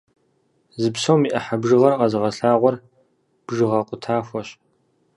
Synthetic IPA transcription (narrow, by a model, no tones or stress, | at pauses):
zɨpsowmiʔɐħabʒɨʁɐrqɐzɨʁɐɬaːʁʷɔr | b̥ʐɨʁɐqʷʼʊtʰaːxʷɔɕ